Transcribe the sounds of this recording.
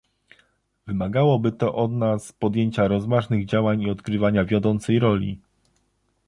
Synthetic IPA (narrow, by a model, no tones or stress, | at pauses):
vɘmaɡawɔbɘt̪ɔʔɔd̪naspɔd̪jeɲt͡ɕaɾɔzvaʐnɘɣd͡ʑawaɲiɔd̪kɾɘvaɲavʲjɔd̪ɔnt̪sɛjɾɔlʲḭ